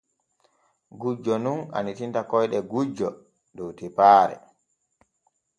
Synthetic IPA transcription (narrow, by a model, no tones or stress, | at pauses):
ɡud͡ʒɔnuna̰nitintakɔjɗɛɡud͡ʒːɔ | dɔwtipaːɾɛ̰